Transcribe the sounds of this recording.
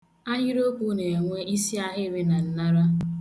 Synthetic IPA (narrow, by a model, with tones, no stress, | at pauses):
a˦ɦɲɪ˦ɾo˦ku˦ne˨ŋʷe˦ʔi˦si˦a˦ɦɪ˦ɾɪ˦na˨n̩˨na˦ɾa˦